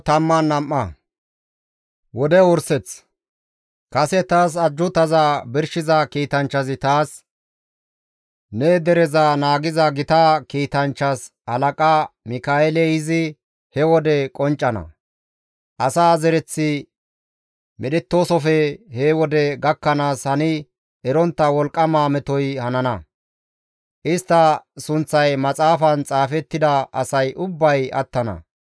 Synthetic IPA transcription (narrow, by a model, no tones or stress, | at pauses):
t̪ɐmːɐnːɐmːɐ | wɔd̪ɛʊɾsɛt͡s | kɐsɛt̪aːs̬ɐd͡ʒːʊt̪ɐzɐbɪɾʃɪzɐkiːt̪ɐnt͡ʃːɐzɪt̪aːs | ned̪ɛɾɛzanaːɡɪzɐɡɪt̪akiːt̪ɐnt͡ʃːɐs | ɐlɐkʼamɪkaːɛlɛjɪzɪ | hɛwɔd̪ɛkʼɔnt͡ʃʼːɐnɐ̰ | ʔɐsaːzɛɾɛt͡sːɪ | mɛɗɛt̪ːo̞ːsɔfɛhewɔd̪ɛɡɐkːɐnaːshɐnɪ | ʔɛɾɔnt̪ːɐwɔlkʼːɐmaːmɛt̪ɔjhɐnɐnɐ | ʔɪst̪ːɐsʊnt͡sːɐjmɐt͡sʼaːfɐnt͡sʼaːfɛt̪ːɪd̪ɐʔɐ̰sɐjʔʊbːɐjɐ̰t̪ːɐnɐ̰